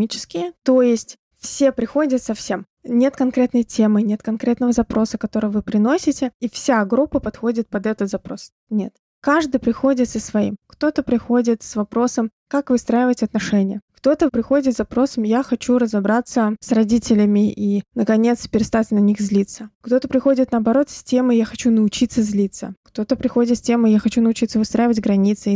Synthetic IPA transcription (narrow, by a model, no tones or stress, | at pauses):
mʲit͡ɕɪ̥skʲɪjət̪ojɪsʲtʲ | fsʲe̞pɾʲɪxo̞dʲət̪sɐfsʲe̞m | nʲe̞t̪kɐnkɾʲet̪nəjtʲe̞mɨnʲe̞t̪kɐnkɾʲe̞t̪nəvəzɐpɾo̞səkɐt̪o̞ɾɨjəvɨpɾʲɪno̞sʲɪtʲɪifsʲaɡɾupːəpɐt̪xo̞dʲɪt̪̚pɐd̪ɛt̪ət̪zɐpɾo̞s | nʲe̞̰t̪ | kaʐd̪ɨjpɾʲɪxo̞dʲɪt̪səsvɐḭmkt̪o̞t̪əpɾʲɪxo̞dʲɪt̪svɐpɾo̞səmkakvɨst̪ɾajɪvətʲɐt̪nɐʂɛnʲɪjəkt̪o̞t̪əpɾʲɪxo̞dʲɪt̪ɐpɾo̞səmjaxɐt͡ɕuɾəzɐbɾat̪səsrɐdʲitʲɪlʲɪmʲɪʔinəkɐnʲe̞t̪spʲɪɾʲɪst̪at̪ʲnɐnʲixzʲlʲit̪səkt̪o̞t̪əpɾʲɪxo̞dʲɪt̪nəɐbɐɾo̞t̪sʲsʲsʲtʲe̞mɨjaxɐt͡ɕunəʊt͡ɕit̪sːəzʲlʲit̪sə̰kt̪o̞t̪əpɾʲɪxo̞dʲɪt̪sʲtʲe̞mɨjaxɐt͡ɕunəʊt͡ɕit̪səvɨst̪ɾajɪvətʲɡɾɐnʲit̪sɨ